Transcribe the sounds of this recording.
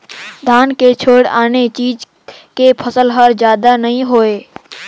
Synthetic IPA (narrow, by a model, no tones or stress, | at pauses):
d̪ʱaːnket͡ʃʰoːɽa̰ːnet͡ʃiːd͡ʒ | kepʰəsəlɦəɾd͡ʒjaːd̪anəɦĩɦoːeː